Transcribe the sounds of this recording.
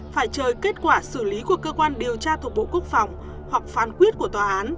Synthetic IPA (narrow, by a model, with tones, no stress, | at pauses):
faː˧˩jt͡ɕəː˨˩jke˦˥t̚kwaː˧˩sɨ˧˩li˨˦ku˧˩əkəː˧kwaː˧nɗi˨˩əwt͡ɕaː˧t̪̚ʰɓo̰˧˨ku˦˥ək̚fa˨˩wŋ͡m | hwa˨˩k̚faː˨˧˩nkwi˦˥ət̚ku˧˩ət̪waː˨˩ʔaː˨˦n